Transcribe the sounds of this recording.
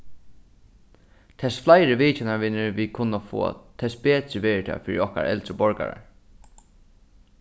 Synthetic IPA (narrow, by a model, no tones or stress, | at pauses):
t̪ʰɛsflajɾɪʋiːt͡ʃɪnaɹʋɪnɪɹʋikʰʊnːafo̰ːt̪ʰɛspeːt̪ɾɪʋɛːɾɪt̪ʰɛ̰ːfɪːɾiɔhka̰ɾɛ̰lt̪ɾəbɔɹka̰ɹa̰ɹ